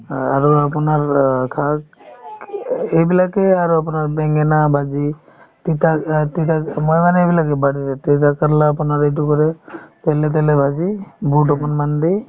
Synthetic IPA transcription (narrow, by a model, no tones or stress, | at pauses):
aɾuapunaɾkʰa | ebilakeaɾuapunaɾbɛŋɡenabʱad͡ʒi | t̪it̪at̪it̪amɔjbanebilakebaɽiɾet̪et̪akəɾlaːpunaɾeʈukɔɾet̪elet̪̬elebʱad͡ʒibuʈɔpɔnmand̪i